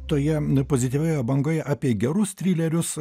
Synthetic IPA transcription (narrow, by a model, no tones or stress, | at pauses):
t̪oːjɛpoːzʲɪt̪ʲiːʋʲɛjɐbɐŋɡɐjɑːpʲiɛɡʲɛɾʊst̪ʲɾʲiːlʲɛɾʲʊs